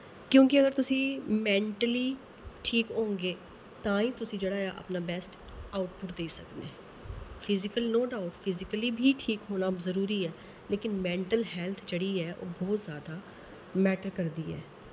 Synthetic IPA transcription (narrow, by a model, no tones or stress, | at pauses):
kjõːkɪəɡəɾt̪ʊsĩːmɛ̃ːɳʈəliː | ʈʰiːkõːŋɡeː | t̪ãːĩːt̪ʊsĩːd͡ʒeːɽaːjaːʔə̰pnaːbɛːsʈ | aːʊʈpʊʈd̪eːsəkd̪eː | pʰɪzɪkəlnoːɖaːʊʈpʰɪzɪkəliːbʱiːʈʰiːkɦoːnaːzəɾuːɾiːɛː | leːkɪnmɛ̃ːɳʈəlɦɛːlt̪ʰd͡ʒeːɽiːɛːʔo̰ːbɔːt̪zjaːd̪aː | mɛːʈəɾkəɾd̪iːɛ̰ː